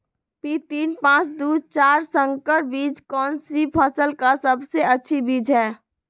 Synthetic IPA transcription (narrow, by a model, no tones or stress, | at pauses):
pit̪iːnpãːt͡ʃd̪uːt͡ʃaːɾsəŋkəɾbiːd͡ʒkɔːnsipʰəsəlkasəbseətːʃʰibiːd͡ʒɦɛː